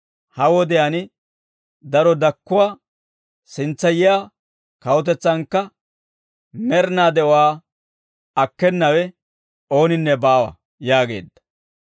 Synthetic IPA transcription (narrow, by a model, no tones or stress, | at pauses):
hɐwɔd̪ɛjɐnɪ | d̪ɐɾɔd̪ɐkːʊwaː | sɪnt͡sːɐjɪjaː | kɐwʊt̪̬ɛt͡sːɐŋkːɐ | mɛɾnaːd̪ɛʔɔwaː | ɐkːɛnːɐwɛ | o̞ːnɪnːɛbaːwɐ̰ | jaːɡe̞̰ːd̪ːɐ̥